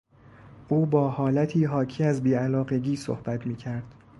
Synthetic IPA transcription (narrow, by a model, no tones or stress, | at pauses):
ʔuːbɒːhɒːlæt̪ʰiːɦɒːcʰiːæzbiːælɒːɢe̞ɡiːso̰hb̥æt̪ʰmiːcʰæɾd̪̥